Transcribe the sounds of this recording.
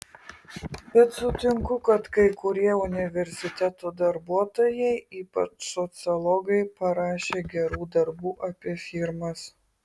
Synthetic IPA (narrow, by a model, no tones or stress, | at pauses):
bʲɛt̪sʊt̪ʲɪŋkʊkɐt̪kɐɪkʊɾʲiɛʊnʲɪʋʲɛɾʲsʲɪt̪ʲɛt̪oːd̪ɐɾbuɔt̪oːjɛɪiːpɐ̰t͡ʃsɔt̪sɨlˠɔɡɐɪpɐɾɑːʃʲeːɡʲɛɾuːd̪ɐɾbuːʔɐpʲiɛfʲiɾmɐs